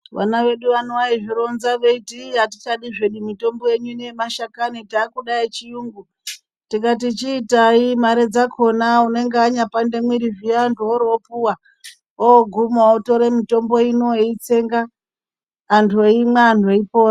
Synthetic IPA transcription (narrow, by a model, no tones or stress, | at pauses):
ʋa̰naʋe̞ɗuʋanowaiʐiɾo̞nzaʋeitiɦatit͡ʃaɗiʐeɗumito̞mboje̞ɲunemaʃakanitaːkuɗait͡ʃijuːŋɡu | tikat̬it͡ʃiːtaimaɾe̞d͡zakʰo̞naune̞ŋɡeaɲapande̞mwiɾiʐiantʰuoɾopuwa | ooɡʱumaoto̞ɾemito̞mbo̞inoeit͡se̞ŋɡaː | ntʰoimweantʰoipoːa